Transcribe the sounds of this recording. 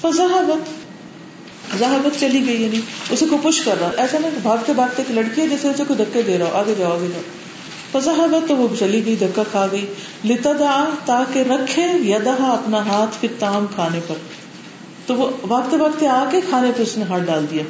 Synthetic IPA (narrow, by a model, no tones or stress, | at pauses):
fɐzaɦbət̪ | zaɦbət̪t͡ʃɐliɡɐiɐːnĩːʊsekopʊʃkɐɾːaːoʔɛːsanɐĩkbʱaːɡt̪ebaːɡ̚t̪eklɐɽkiad͡ʒɛːseʊsekoid̪ʱɐkːed̪eːɾaːoʔaːɡed͡ʒaːoaːɡed͡ʒaːo | fɐzaːɦbət̪ːoʋobt͡ʃɐliɡɐid̪ʱɐkːakʰaːɡɐiː | lɪt̪ad͡ʒ̪aːt̪aːkeɾɐkʰːejɐd̪aɦaɐpnaɦaːt̪ʰfɪt̪aːmkʰaːnepɐɾ | t̪oʋoʋaːɡt̪ebaːɡ̚t̪eaːkekʰaːnepɐɾʊsneɦaːʈ̚ɖaːld̪ijaː